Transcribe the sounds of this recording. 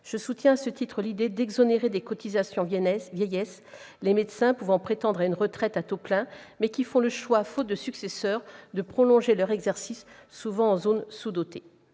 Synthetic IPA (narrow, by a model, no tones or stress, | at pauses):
ʒ̥əsut̪jɛ̃asət̪it̪χəlid̪ed̪ɛɡzɔneʁed̪ekɔt̪izasjɔ̃vjɛjɛslemed̪sɛ̃puvɑ̃pχet̪ɑ̃d̪ʁaynʁət̪χɛt̪at̪oplɛ̃mɛkʲifɔ̃ləʃwafot̪̚d̪əsyksesœːʁd̪əpχɔlɔ̃ʒelœʁɛɡzɛʁsisːuvɑ̃ɑ̃zonsud̪ot̪e